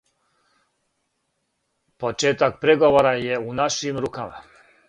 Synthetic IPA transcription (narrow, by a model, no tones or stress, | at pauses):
pot͡ʃeːt̪ak̚pɾeɡoʋoɾajeunaʃimɾuːkama̰